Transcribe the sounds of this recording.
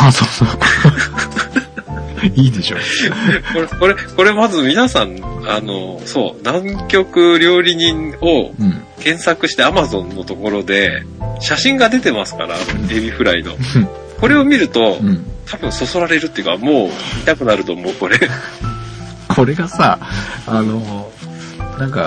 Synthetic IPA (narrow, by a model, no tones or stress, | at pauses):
asoːso | iːd̪e̞ɕoko̞ɾeko̞ɾe̞ko̞ɾe̞mazɨmʲinasãnano̞so̞̰ːnãŋkʲo̞kɯ̟ɾʲo̞ːɾʲiɲ̟ĩɴo̞ | kẽ̞ɰ̃sakɯ̟ɕi̥t̪eamazõ̞nːo̞t̪o̞ko̞ɾo̞d̪e̞ | ɕaɕĩŋɡad̪e̞t̪e̞masɨ̥ka̰ɾa̰eːbʲiɸɯ̟ɾaino̞̰ | ko̞ɾe̞o̞mʲiɾɯ̟t̪o̞t̪ʰabɯ̟̃ɰ̃so̞so̞ɾaɾe̞ɾɯ̟t̪ːejɯ̟kamo̞ːmit̪akɯ̟naɾɯ̟t̪o̞mo̞ːko̞ɾe̞ | kʰo̞ɾe̞ɡasaano̞ | nãŋka̰